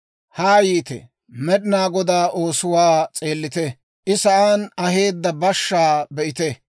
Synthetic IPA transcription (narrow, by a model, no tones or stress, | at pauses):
haːjiːt̪ɛ̰ | mɛɗɪnaːɡɔd̪aːʔo̞ːsʊwaːt͡sʼe̞ːlːɪt̪ɛ | ʔɪsɐʔanɐɦe̞ːd̪ːɐbɐʃːaːbɛʔɪt̪ɛ